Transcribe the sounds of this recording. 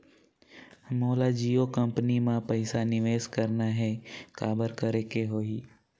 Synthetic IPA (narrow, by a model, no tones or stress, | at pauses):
moːlad͡ʒiːokə̃mpənimãpəɪsanɪʋeːskəɾnaɦɛkaːbəɾkəɾekeɦoːiː